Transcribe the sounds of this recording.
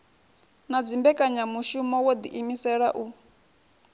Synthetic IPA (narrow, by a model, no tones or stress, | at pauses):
nad͡zimbɛkʼaɲamuʃumɔwod̪iʔimisɛɺa̰ʔu